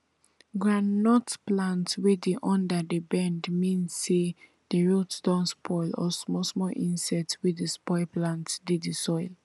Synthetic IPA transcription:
ɡɹãnːɔtplãntwedeʔɔ̃ndadəbɛ̃ndmĩnsːe | d̥əɹutd̥ɔ̃ntspʰɔɪlɔ̰smɔsmɔʔĩnsɛtswedəspɔɪlplãntdiddisɔɪl

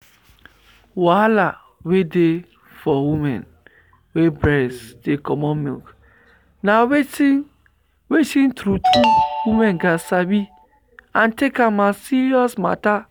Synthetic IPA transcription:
wala | wede | fɔwumɛ̰̃n | webɾɛsdekɔmɔ̃mḭlk | naweti | wetĩntɾutuwumɛ̃nɡasabi | ãntekamasiɹiɔsma̰ta

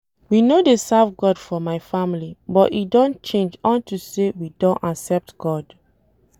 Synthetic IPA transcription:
winodesavɡɔdfɔmaɪfamilibɔtidɔ̃nt͡ʃẽnd͡ʒɔ̃ntusewidɔ̃nʔasɛp̚tɡ̥ɔd

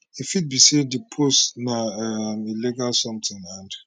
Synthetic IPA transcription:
ifit̚bisedipʰosnaɛmiliɡalsɔ̃mtʰɪ̃ŋãnd

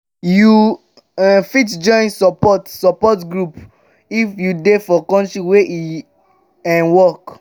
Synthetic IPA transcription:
ju | ɛ̃fitd͡ʒɔ̃ɪ̃nsɔpɔtsɔpɔtɡɹup | ifjudefɔkɔ̃ntɹiwei | ɛ̃nwɔk

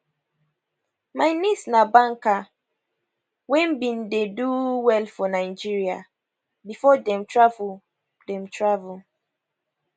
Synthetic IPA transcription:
majnisnabãŋka | wɛ̃nbĩndeduwɛlfɔnaɪd͡ʒiɹia | bifɔdɛ̃mtɹavul | dɛ̃mtʰɹavul

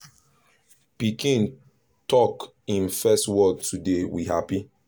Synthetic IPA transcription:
pikʰĩn | tɔk | ĩnfɛstwɔd̚tudewihapi

